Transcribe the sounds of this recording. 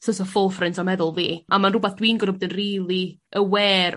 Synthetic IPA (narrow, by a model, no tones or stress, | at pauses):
sɔsɔfʊlˠfrɪntʰɔmɛðʊlˠviːʔamanrʊbaθd̥wiːnɡɔɾɔbɔdənriːlˠiʔəwɛːr